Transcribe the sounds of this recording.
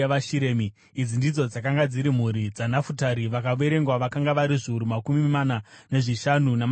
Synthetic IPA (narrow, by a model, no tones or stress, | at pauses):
aʃiɾeːmi | id͡zindid͡zo̞d͡zakaŋɡad͡ziɾim̤uɾid͡zanafutaɾiʋakaʋe̞ɾe̞ŋɡwaʋakaŋɡaʋaɾiʐiuɾumakumimanane̞ʐiʃanunam